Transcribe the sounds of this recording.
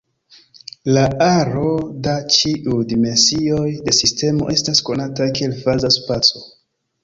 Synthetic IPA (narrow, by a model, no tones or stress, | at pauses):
laaɾo̞dat͡ʃiʔujdime̞nsi̞o̞jde̞siste̞mo̞ʔe̞stasko̞natakielfazaspat͡so̥